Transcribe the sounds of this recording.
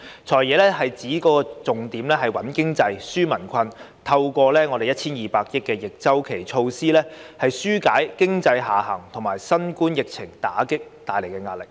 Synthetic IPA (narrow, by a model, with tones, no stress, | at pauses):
t͡ʃʰɔː˨˩jɛː˨˧lɛː˥ɦɐ˨jt͡siː˨˥kɔː˧kɔː˧t͡sʊ˨ŋt̪iː˨˥mlɛː˥ɦɐ˨jwɐ˨˥nkɪ˥ŋt͡sɐ˧jsyː˥mɐ˨˩nkʷʰɐ˧n | t̪ʰɐ˧wkʷɔː˧lɛː˥ŋɔː˨˧de˨jt̚t͡sʰiː˥njiː˨paː˧k̚jɪ˥kːɛː˧jɪ˨k̚t͡sɐ˥wkʰe˨˩jt͡ʃʰo˧wsiː˥lɛː˥hɐ˨jsyː˥kaː˨˥jkɪ˥ŋt͡sɐ˧jɦaː˨˩ɦɐ̰˨˩ŋt̪ʰʊ˨˩ŋmaː˨˩jsɐ˥nkuː˥njɪ˨k̚t͡sʰɪ˨˩ŋt̪aː˨˥kɪ˥k̚t̪aː˨˩jle˨˩jkɛ˧ŋaː˧t̚lɪ˨k̚